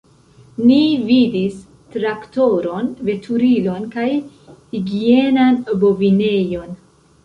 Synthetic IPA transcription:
nividis | tɾakto̞ɾo̞nve̞tʰuɾilo̞nkaj | hiɡie̞nanbo̞vine̞jo̞n

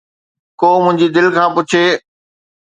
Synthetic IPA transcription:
koːmʊ̃ɦɪ̃ɲd͡ʑid̪ɪlkʰãːpʊt͡ɕʰeː

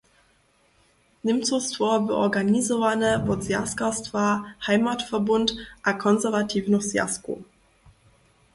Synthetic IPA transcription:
nɪmtz̥ostfoːɐbəʔɔɡanizovanəvɔzja̰skastv̥aːhaɪmaːtfɛɐbʊntʔakʰɔnzɛɐvatʰiːvnɔzia̰sko̰

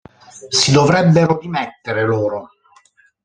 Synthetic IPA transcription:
sid̪ovɾɛbːeɾodimɛt̪ːeɾeloːɾo

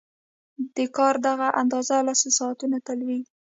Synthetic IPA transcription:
d̪̥əkɑɾd̪aɣaʔand̪ɑzalasəsɑːt̪unat̪alwi

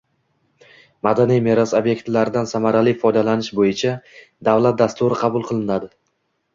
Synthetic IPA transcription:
mad̪anijmeɾasobje̞kt̪laɾɪd̪ansamaɾalifɒjd̪alanɪʃbojɪt͡ʃʰa | d̪avlat̪̚d̪ast̪ʊɾɪqʰɑbʊlˠqʰɨlˠɪnad̪ɪ

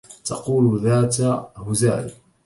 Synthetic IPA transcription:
t̪ɑquːlðaːt̪ahʊza̰ːlɪ

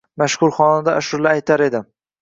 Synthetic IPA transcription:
maʃhʊɾχɒnad̪aʔːʃʊɾlaːjt̪ʰaɾe̞d̪ɪ

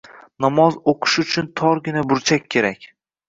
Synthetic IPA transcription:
nɒmɒzoqʰɨ̥ʃʊt͡ʃʰʊnt̪ʰɒɾɡʲɪnabʊɾt͡ʃʰakʲʰːe̞ɾakʲ

